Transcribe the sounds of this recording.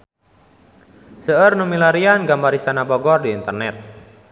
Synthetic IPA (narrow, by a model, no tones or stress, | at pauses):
səərnumilaɾianɡambaɾisanabɔɡɔrdiːnt̪ərnɛt̪̚